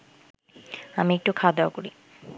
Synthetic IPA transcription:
amiek̚ʈukʰad̪eokoɾi

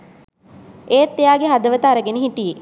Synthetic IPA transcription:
eːt̪ːejaːɡeɦad̪əʋət̪aːɾəɡenəɦiʈije

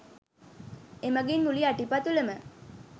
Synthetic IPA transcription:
eməɡinmuliaʈipat̪uləmə

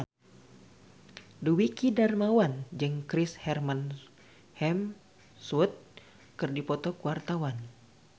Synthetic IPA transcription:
duwikidarmawand͡ʒɨŋkɾishɛrman | hɛm | sut̪̚ | kɨrdipɔt̪ɔkuwart̪awan

